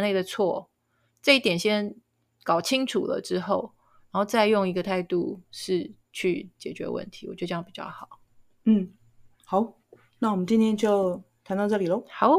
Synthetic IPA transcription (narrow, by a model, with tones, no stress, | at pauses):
nle˥˩ɪd̪ə˩t͡sʰwɔ˥˩ | ʈ͡ʂə˥˧i˥˩t̪jɛ˨˩nɕjɛ˥n | kɑ˨˩ʊt͡ɕʰi˦˥ŋʈ͡ʂʰu˨˩lə̰˦ʈ͡ʂɻ̩˥xo˥˩ʊ | ɻa˧˦nxo˥˧ʊt͡sa˥˧ɪjʊ˥˩ŋi˧˥ɡə˧t̪ʰa˥˧ɪt̪u˥˧ʂɻ̩˥˩ | t͡ɕʰy˥˩t͡ɕjɛ˨˩t͡ɕɥɛ̰˧˥wə̰˥˩nt̪ʰi̥˨˧˥wɔ˨˩t͡ɕo˥˧ɕjɑ˥ŋpi˨˩t͡ɕjɑ̰˥˩ʊxɑ˨˩˦ʊ | n̩˥˩ | xɑ˨˩˦ʊ | na˥˩wɔ˨˩mə˦nt͡ɕi˥˧nt̪ʰjɛ˥nt͡ɕjo˥˩˧ʊt̪ʰa˧˥nt̪ɑ˥˧ʊʈ͡ʂɤ˥˩li˨˩lə˦xɑ˨˦